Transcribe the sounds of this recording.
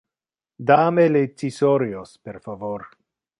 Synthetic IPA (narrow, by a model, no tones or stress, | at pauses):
d̪amelet͡sisoɾiospeɾfavoɾ